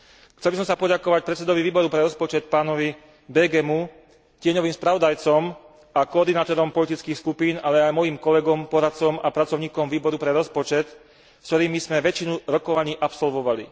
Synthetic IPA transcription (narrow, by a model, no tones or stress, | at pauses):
xt͡sɛlbisɔ̃msapɔɟakɔʋac̚pɾɛt̪t͡sːɛd̪ɔʋiʋiːbɔɾupɾɛɾɔspɔt͡ʃɛt̪̚paːnɔʋi | bɛɡɛmu | cɪɛɲɔʋiːmspɾaʋɔd̪ajt͡sɔm | akɔɔːɾd̪inaːt̪ɔɾɔmpɔlit̪it͡skiːxskupiːnalɛajmɔjiːmkɔlɛɡɔmpɔɾat̪t͡sɔmapɾat͡sɔʊɲiːkɔmʋiːbɔɾupɾɛɾɔspɔt͡ʃɛt̪ | st̪ɔɾiːmizmɛʋɛt͡ʃinuɾɔkɔʋaɲiːʔapsɔlʋɔʋalḭ